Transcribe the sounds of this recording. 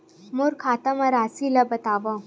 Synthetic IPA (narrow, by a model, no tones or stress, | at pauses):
muɾkʰaːt̪ɐmɐɾaːsilɐbɐt̪aːʋɐ